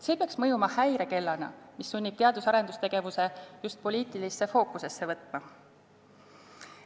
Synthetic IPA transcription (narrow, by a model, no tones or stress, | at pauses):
se̞ːpeɑksmɤjumɑhæjɾe̞ke̞lːɑnɑ̰misːunʲːib̥̚t̪eɑd̪̥usɑɾe̞nd̪ust̪e̞ɡ̥e̞vuse̞just̪̚po̞liːt̪ˑilisːe̞fo̞ːkuse̞sːe̞vɤt̪ˑmɑ